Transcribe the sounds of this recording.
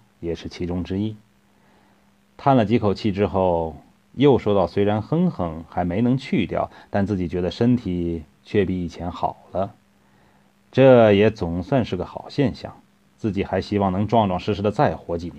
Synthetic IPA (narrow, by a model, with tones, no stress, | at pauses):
jɛ˨˩ʂɻ̩˥˩t͡ɕʰi˧˥ʈ͡ʂʊ˥ŋʈ͡ʂɻ̩˥i˥ | t̪ʰa˥˩nlə˩t͡ɕi˧˥kʰo˨˩ʊt͡ɕʰi˥˩ʈ͡ʂɻ̩˥xo˥˩ʊ | jo˥˩ʊʂwɔ˥t̪ɑ˥˩ʊswe˥ɪɻa˧˥nxə˥ŋxɤ˧˥ŋxa˧˥ɪme˧˥ɪnɤ˧˥ŋt͡ɕʰy˥˧t̪jɑ̰˥˩ʊt̪a˥˧nt͡sɹ̩˥˩t͡ɕi˨˩t͡ɕɥɛ˧˥d̪ə˧ʂə˥nt̪ʰi˨˩ | t͡ɕʰɥɛ˥˩pi˧˩i˨˩t͡ɕʰjɛ˧˥nxɑ̰˨˩ʊlə˦ | ʈ͡ʂɤ˥˩jɛ˧˥t͡sʊ˨˩ŋswa˥˧nʂɻ̩˥˩ɡə˩xɑ˨˩ʊɕjɛ˥˧nɕjɑ̰˥˩ŋ | t͡sɹ̩˥˩t͡ɕi˨˩xa˧˥ɪɕi˥wɑ˥˩ŋnɤ˧˥ŋʈ͡ʂwɑ˥˧ŋʈ͡ʂwɑ˥˩ŋʂɻ̩˥˧ʂɻ̩˧˥d̪ə˧t͡sa˥˩ɪxwɔ˧˥t͡ɕi˧˥˩n